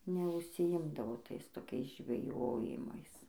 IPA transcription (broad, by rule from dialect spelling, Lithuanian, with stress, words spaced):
nʲɛʊʃʲsʲɪˈɪmdɐʋoː ˈtɐɪs toːˈkʲɛɪs ʒʲʋʲɛˈjoːjɪmɐɪs